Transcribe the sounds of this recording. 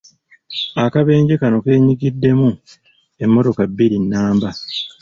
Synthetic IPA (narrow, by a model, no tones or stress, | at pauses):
akaβe̞ːɲɟekano̞ke̞ːɲiɡidːe̞mu | e̞mːo̞to̞kabːiɾinːaːmba